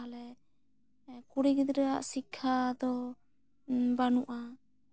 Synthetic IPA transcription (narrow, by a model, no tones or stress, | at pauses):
lɛ | kuɽikd̪ɾɛa̰ʔsikʰːad̪ɔ | banuʔa